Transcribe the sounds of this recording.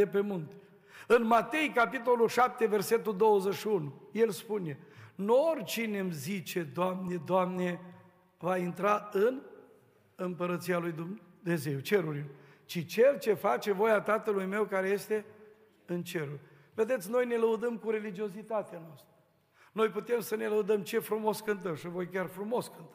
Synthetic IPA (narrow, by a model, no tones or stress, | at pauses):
epemunt̪ | ɨnmat̪e̞jkapit̪o̞lulʃap̚t̪e̞ve̞rse̞t̪̬uld̪o̞wəzeʃiunuje̞lspune̞nuorʲt͡ʃine̞mzit͡ʃe̞d̪oamne̞d̪oamne̞ | vaint̪ɾaɨn | ɨmpəɾət̪sialujd̪umne̞ze̞wt͡ʃe̞ɾuɾiloj | t͡ʃit͡ʃe̞lt͡ʃe̞fat͡ʃe̞vo̞jat̪at̪əlujme̞wkaɾe̞je̞st̪e̞ | ɨnt͡ʃe̞ɾurʲ | ve̞d̪et̪sʲno̞jne̞ləud̪əmkuɾe̞lid͡ʒio̞zit̪at̪eanoast̪ɾə | nojput̪e̞msəne̞ləud̪əmt͡ʃe̞fɾumo̞skɨnt̪əmʃivo̞jkʲarfɾumo̞skɨnt̪ə